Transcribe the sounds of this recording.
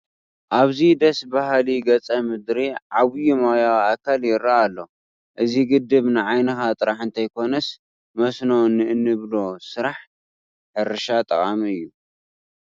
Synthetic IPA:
ʔaβzid̪ɐsbahliɡɐt͡sʼɐmɨd̪ɾiʕaβjumajawakʰaljɪɾːaalːo̞ | ʔɨziɡɨd̪ːɨβnɨʕajnɨxat̪ʼɨɾaħɨnt̪ʰɐjkʰo̞nɐs | mɐsnonːɨɨnːɨβlo̞sɨɾaħ | ħɨɾɨʃat̪ʼɐχʼamiɨjːu

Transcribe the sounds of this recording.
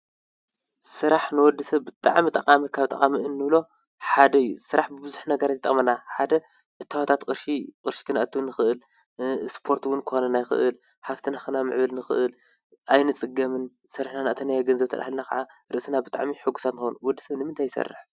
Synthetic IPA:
sɨɾaħnɨwɔd̪ːɐsɐβːɨt̪ʼa̰ʕmit̪ʼɐqʼamikʰaβt̪ʼɐ̰kʼamiɨnːɨβlo̞ | ħad̪ɐjːṵsɨɾaħbɨbɨzuħnɐɡɐɾat̪t̪ʼɐ̰χʼmɐnaħad̪ɐ | ʔɨt̪ʰːawat̪ʰat̪kʼɨɾʃiqʼɨɾʃi̥kʰɨnaʔɐt̪ʰːɨnɨxɨʔɨl | spʰo̞ɾt̪wʊnkʰɨ̥xonɐnajxɨ̰ʔɨl | ħaft̪ʰɨnaxɨnamɨ̰ʕβɐlnɨxɨ̰ʔɨl | ʔajnɨt͡sʼɨɡːɐmɨn | sɐɾɨħnanɨʔt̪ʰɐnajaɡɐnzɐβt̪ʰɐɾʔahlnakʰa̰ʕaɾɨʔsɨnabɨt̪ʼa̰ʕmiħɨɡːusat̪nɨxonuwɔd̪ːɐ̥sɐβnɨmɨnt̪ʰajːsɐ̰rːɨ̰ħ

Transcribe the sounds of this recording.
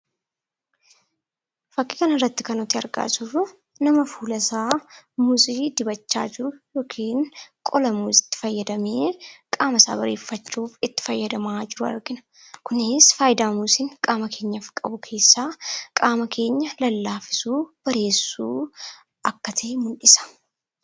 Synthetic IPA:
fɐkʼːɪ̥kɐnɐrːɐt̪ːɪ̥kɐnɔt̪ːɪɐɾɡa̰ːsʊrːʊ | nɐmɐfuːlɐsaːmʊsʼiːd̪ɪbɐt͡ʃːa̰ːd͡ʒɪɾʊjo̞ːkʰiːŋkʼɔlɐmuːsʼɪ̥t̪ːɪ̥fɐjːɐd̪ɐmeːkʼaːmɐsa̰ːbɐɾe̞̰ːfːɐt͡ʃːuːfɪt̪ːɪ̥fɐjːɐd̪ɐmaːd͡ʒɪɾʊɐ̰ɾɡɪnɐ | kʊnɪsfaːjɪd̪aːmusɪŋkʼaːmɐkʰe̞ːɲːɐfkʼɐbʊkʰe̞ːsːaːkʼaːmɐkʰe̞ːɲːɐlɐlːaːfɪ̥suːb̥ɐɾe̞ːsːuː | ʔɐkːɐt̪ʰɐʔɪmʊnᶑɪsɐ̥

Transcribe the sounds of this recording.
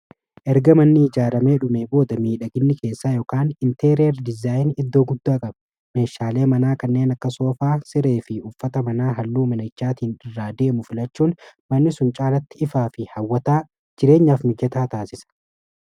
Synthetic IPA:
ʔɛɾɡɐmɐnːɪɪd͡ʒaːɾɐme̞ːᶑʊmeːbo̞ːd̪ɐmiːᶑɐɡɪnːɪke̞ːsːaːjoːkaːnɪnt̪eɾeːɾd̪ɪzaːjɪnɪd̪ːo̞ːɡʊd̪ːaːkʼɐb | me̞ːʃːaːle̞ːmɐnaːkɐnːe̞ːnɐkːɐso̞ːfaːsɪɾe̞ːfɪʊfːɐt̪ɐmɐnaːɦɐlːuːmɐnɐt͡ʃːaːt̪iːnɪrːaːd̪e̞ːmʊfɪlɐt͡ʃːuːnmɐnːɪsʊnt͡ʃʼaːlɐt̪ːɪɪfaːfɪhɐwːɐt̪aː | d͡ʒɪɾe̞ːɲːaːfmɪɡɛt̪aːt̪aːsɪsɐ̥

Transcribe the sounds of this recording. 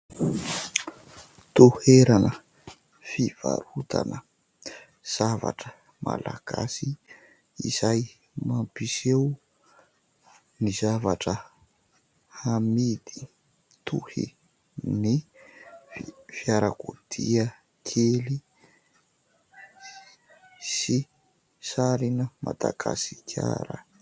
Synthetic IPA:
t̪uheɾanə | fiv̥a̰ɾut̪ʰanə | z̥ava̰ʈ͡ʂə | ma̰laɡ̥a̰si | ḭzaj | mampisew | nizavaʈ͡ʂə | hamid̪i | t̪ʰuhḭ | ni | fjaɾakut̪ʰiə | kʰeli | si | saɾinəmʔad̪aɡasi̥kʰja̰ɾə

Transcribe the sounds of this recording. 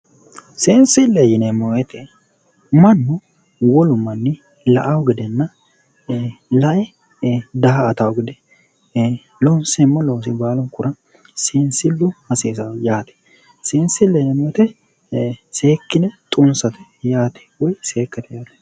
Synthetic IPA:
seːnsɪlːejɪnɛmɔɛt̪ɛ | mɐnːʊ | wɔlʊmːɐnːɪ | lɐ̰ʔɐwɡɪd̪ɛnːɐ | lɐʔɛ | d̪ɐɦɐːt̪ɐwʊɡɪd̪ɛ | lɔnsɛmːɔlɔs̬ɪbaːlɔŋkʊɾɐ | seːnsɪlːʊhɐseːsɐwjaːt̪ɛ̥ | seːnsɪlːɛnɛmɔt̪ɛ | seːkːɪnɛt̪ʼʊnsɐt̪ɛ̥jaːt̪ɛ̥wɔjseːkːɐt̪ɛjaːt̪ɛ̥

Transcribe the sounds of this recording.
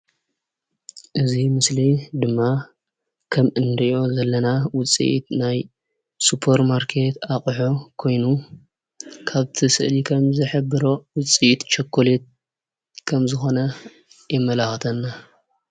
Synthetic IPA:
ʔɨzimɨslid̪ɨmːa | kʰɐmʔɨnd̪ɐjo̞zɐlːɐnawʊt͡sʼḭʔḭt̪naj | supʰɐɾmaɾkʰe̞t̪ʰakʼħokʰo̞jnu | kʰaβt̪ʰisɨʔlikʰɐmzɐħɨbːɨɾo̞wʊt͡sʼiʔit̪t͡ʃɐkʰːolet̪̚ | kʰɐmzɨxo̞nɐ | jɛmːɐlaxt̪ʰɐnːa

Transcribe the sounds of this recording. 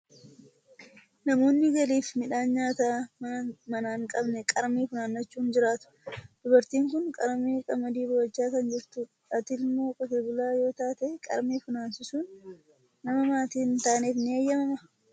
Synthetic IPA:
nɐmo̞ːnːɪɡɐliːfmɪᶑaːnɲaːt̪aː | mɐnaːŋkʼɐbnɛkʼɐɾmiːfʊnaːnːɐt͡ʃːuːnd͡ʒɪɾaːt̪ʊ̥d̪̥ʊbɐɾt̪iːŋkʊnkʼɐɾmiːkʼɐmɐd̪iːbʊwɐd͡ʒːaːkɐnd͡ʒɪɾt̪ʊ | ɐt̪ɪlmoːkʼɔt̪eːbʊlaːjo̞ːt̪aːt̪ekʼɐ̰ɾmiːfʊnaːnsɪsuːnː | ɐmɐmaːt̪iːnt̪aːneːfnɪeːjːɐmɐmɐ

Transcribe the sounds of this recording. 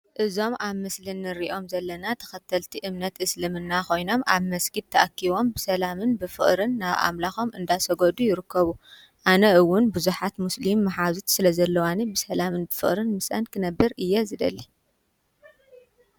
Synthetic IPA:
ʔɨzo̞mʔaβmɨslinːɨɾiʔo̞mzɐlːɐnat̪ʰɐ̥xɐt̪ʰːɐlt̪ʰiʔɨmnɐt̪ɨslɨmɨnːako̞jno̞mʔaβmɐsɡid̪̚t̪ʰɐʔɐkʰːiβo̞mbɨsɐlamɨnbɨfɨχʼɾɨnːaβʔa̰mlaxo̞mʔɨnd̪asɐɡod̪ujɪɾɨkʰːɐβu | ʔanɐʔɨwːʊnbuzuħat̪muslimːɐħazut̪sɨlɐzɐlːɐwanibɨsɐlamɨnbɨfɨ̰χʼɾɨnmɨsʔɐ̰nkʰɨnɐbːɨɾɨjːɛzɨd̪ɐlːi

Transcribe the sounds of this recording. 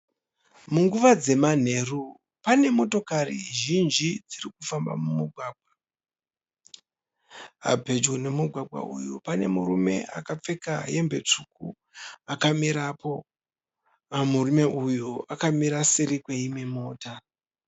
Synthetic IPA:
muŋɡuʋad͡ze̞man̤e̞ru | pane̞mo̞to̞karḭʒind͡ʒid͡zirikufamba̰mumuɡʱwaːɡ̚ʱwa | ɦa̰bʱe̞d͡ʒone̞muɡʱwaɡʱwa̰ʔujupane̞murume̞̰ʔa̰kap͡fe̞kaje̞mbe̞t͡ʂuku | akamiɾapo̞ | amurume̞ʔujuʔakamiɾaseɾikwe̞ime̞mo̞ːta

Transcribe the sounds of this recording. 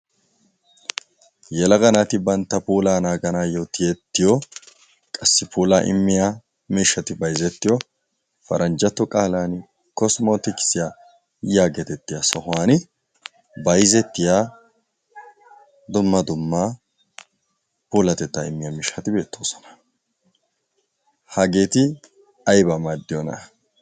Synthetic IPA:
jɛlɐɡɐnat̪ɪbɐnt̪ːɐpuːlaːnaːɡɐnaːjot̪ɪjɛt̪ːɪjɔ | kʼɐsːɪpʰuːlaːʔɪ̰mːɪja | miːʃːɐt̪ɪbɐjzɛt̪ːɪjɔ | fɐɾʔɐnd͡ʒɐt̪ːɔkʼaːlaːn | kɔsmoːt̪ɪkɪ̥sɪja | jaːɡɛt̪ɛt̪ːɪjasɔhʊaːn | bɐjzɛt̪ːɪja | d̪ʊmːɐd̪ʊmːa | puːlɐt̪ɛt̪ːaɪmːɪjamiːʃɐt̪ɪbe̞ːt̪ːo̞ːsɔ̥nɐ̥ | hɐɡe̞ːt̪ɪ | ɐjbɐmaːd̪ːɪjɔnɐ̰

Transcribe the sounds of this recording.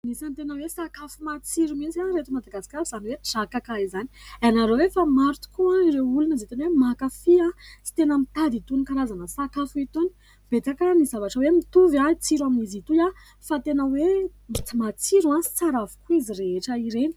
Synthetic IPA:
nisant̪enəwesakafumat͡siɾumit͡siaɾet̪umad̪aɡasi̥kʲaizaniwez̥akakaizanianaɾowefamaɾut̪u̥kuaiɾewulunizet̪enwemakafiat͡si̥t̪enəmit̪ad̪it̪unikaɾazanəsakafuit̪oni̥ | b̥et̪akənizavaʈ͡ʂəwemit̪uvait͡siɾaminizit̪uja | fat̪enəweit͡simat͡siɾuasaɾavu̥kuizireɦeʈ͡ʂəiɾeni̥

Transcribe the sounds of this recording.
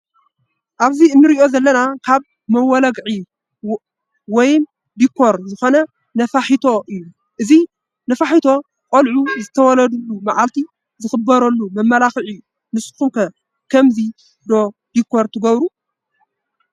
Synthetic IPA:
ʔaβziɨnːɨɾiʔo̞zɐlːɐnakʰaβ | mɐwɔlɐɡʕi | wɔjm | d̪ikʰːo̞ɾzɨxo̞nɐ | nɐfaħit̪ʰo̞ʔɨjːu | ʔɨzi | nɐfaħit̪ʰo̞ | kʼɐlʕuzɨt̪ʰɐwɔlɐd̪ulːumaʕalt̪ʰi | zɨxɨbɐɾɐlːumɐmːɐlaxʕi | nɨsxuŋkʰɐ | kʰɐmzi | d̪o̞d̪̥ikʰːo̞ɾt̪ʰɨɡɐβɾu

